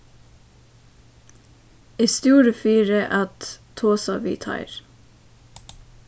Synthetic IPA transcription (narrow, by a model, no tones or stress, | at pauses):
eːst̪uːɾəfyːɾəʔɑt̪t̪ʰoːsɑʋḭːt̪ʰɑ̰ɪɾ